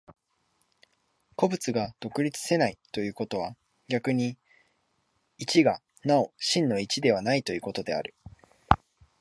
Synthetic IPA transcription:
ko̞bɯ̟t͡sɨɡad̪̥o̞kɯ̟ɾʲit͡sɨ̥se̞nait̪o̞jɯ̟ːko̞t̪o̞β̞a | ɡʲakɯ̟ɲ̟i | it͡ɕiɡa | nao̞ɕĩnːo̞it͡ɕid̪e̞β̞anait̪o̞jɯ̟ːko̞t̪o̞d̪e̞a̰ɾɯ̟

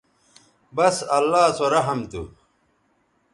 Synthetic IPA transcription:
bɐsɐlːaːsoɾɐɦɐmt̪ṵ

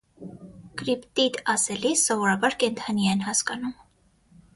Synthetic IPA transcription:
kɾipt̪it̪ɑsɛlisːɔvɔɾɑbɑɾkɛnt̪ʰɑnjɑɛnhɑskɑnum

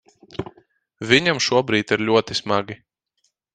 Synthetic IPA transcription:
vʲiɲamʃuɔbɾiːt̪iɾlʲuɔt̪ismaɡʲi

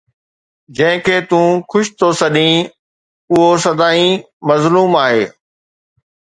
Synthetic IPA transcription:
d͡ʑɐ̃ɦɪ̃kʰeːt̪ũːkʰʊʃɪ̥t̪ʰosɐɗĩ | ʊɦosɐd̪aːĩ | mɐzluːmaːɦeː

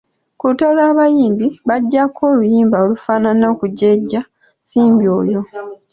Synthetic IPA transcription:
kuutolaːβajiːmbiβaɟːakʰo̞ːlujiːmbaolufaːnanokuɟe̞ɟːa | siːmbio̞ːjo̞

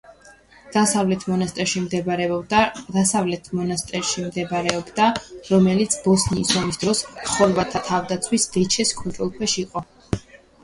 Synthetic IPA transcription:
d̪̥asavlɛt̪ʰmɔnast̪ʼɛɾʃimd̪ɛɾɛd̪asavlɛt̪ʰmɔnast̪ʼɛɾʃimd̪ɛbaɾɛɔbd̪aɾɔmɛlit̪sʰbɔsniːsɔmisd̪ɾɔsχɔɾbat̪ʰat̪ʰavd̪at̪sʰwisd̪̥ɛt͡ʃʰɛskʼɔnt̪ʼɾɔlˠkʰwɛʃiqʼɔ

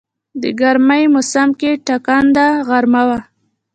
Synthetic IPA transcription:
d̪ə̰ɡaɾmajmʊsamkeʈakand̪aɣaɾmawa

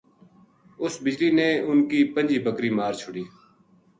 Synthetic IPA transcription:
ʊsbɪd͡ʒliːneːʊnkiːpənd͡ʒiːbəkɾiːmaːɾt͡ʃʰʊɽiː

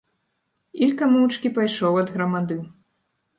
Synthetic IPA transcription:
ilʲkamɨwt͡ʂkʲipajʂɔwɐd̪ɣɾɐmad̪ɨ

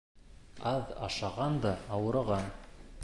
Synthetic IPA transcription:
ɑðɑ̰ʃɑʁɑnd̪ɑɑwɤ̆ɾɑʁɑn

